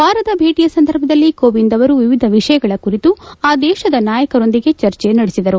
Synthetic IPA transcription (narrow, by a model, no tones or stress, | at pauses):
bʱaːɾɐt̪ɐbʱeːʈijɐsɐnd̪ʱɐɾbʱɐd̪ɐlːikoːʋind̪ɐʋɐɾuʋiʋid̪ʱɐʋiʂɐjɐɡɐɭɐkuɾit̪uaːd̪ɛːʃɐd̪ɐnaːjɐkɐɾo̞nd̪iɡe̞t͡ʃɐɾt͡ʃenɐɽesid̪ɐɾu